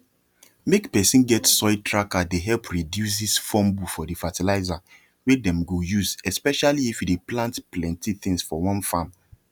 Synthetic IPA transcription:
mekpɛsĩnɡɛtsɔɪtʰɹakadeɦɛlpɹidjus̬disfɔ̃mbufɔdifatilaɪza | wedɛ̃mɡojuzɛspɛʃaliːfjideplãntplɛ̃ntiθĩŋsfɔwɔ̃nfam

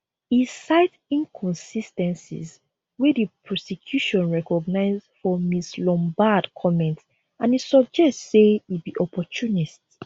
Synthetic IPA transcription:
isaɪt | ĩnkʰɔ̃nsistɛ̃nsḭz | wɛdipʰɹɔsɛkʰjuʃɔ̃nɹɛkɔɡnaɪzfɔmislɔ̃mbadkʰɔmɛ̃nt | ãnisɔb̚d͡ʒɛstseibiʔɔpɔt͡ʃʰunist

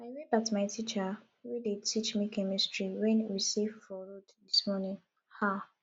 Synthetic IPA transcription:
aɪɹebatmaɪtʰit͡ʃə | widetʰit͡ʃmikʰɛmistɹiwɛ̃nwisivfɔɹudðismɔnĩŋ | ha

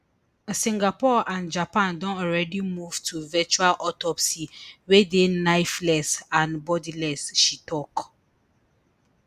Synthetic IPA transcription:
sĩŋɡapɔʔãnd͡ʒapãndɔ̃ntɔɹɛdimuv̥tʰuvɛt͡ʃualʔɔtɔpsiwedenaɪflɛsãnbɔdilɛsʃitʰɔk

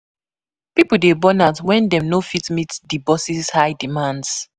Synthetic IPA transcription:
pipul̩debɔnatwɛ̃ndɛ̃mnofitmitdibɔsizhaɪdimãnds

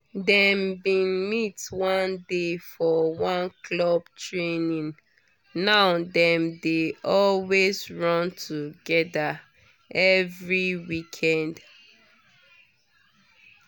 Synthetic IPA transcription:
dɛmbĩnmitwãndefɔwãnklɔbtɹenĩn | naʊdɛ̃mdeɔlwezɹɔ̃ntʰuɡɛda | ɛvɹiwikʰɛ̃nd

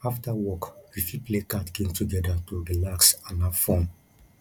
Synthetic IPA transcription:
aftawɔkwifiplekatkẽmtʰuɡɛdatuɹilaksãnafɔ̃n

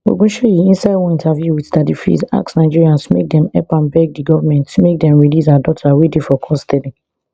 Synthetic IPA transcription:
o̰ɡõʃejiĩnsaɪdwɔ̃ĩntavjuwidadifḭza̰ksnaɪd͡ʒiɹiãnsmḛk̚dɛ̃mɛpãnbɛɡ̚diɡɔvamɛ̃ntːumek̚dɛ̃mɹilis̬adɔtʰawidefɔkʰɔsstɛdi

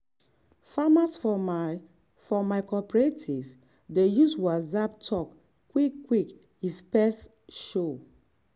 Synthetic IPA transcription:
famasfɔ | fɔmaɪkʰɔpɛɹetʰiv | dejuswazabtʰɔkː | wikːwik | ifpɛs | ʃo

